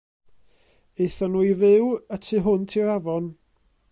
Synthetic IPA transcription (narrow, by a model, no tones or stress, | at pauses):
eθɔnuːjvɪwətʰɨɦʊntʰiɾavɔn